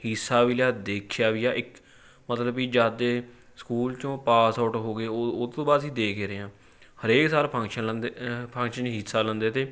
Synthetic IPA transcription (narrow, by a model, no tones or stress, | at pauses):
hisaːʋiljaːd̪eːkʰjaːʋɪjaːʔɪk | mət̪ləbiːd͡ʒaːd̪eː | skuːlt͡ʃõːpaːsaːʈoɦoːɡeːot̪õːbaːd̪sĩːd̪eːkʰeːɾeːãː | həɾeːksaːɾpʰəŋkʃənlənd̪pʰə̃ŋkʃənɦɪsaːlənd̪eːt̪eː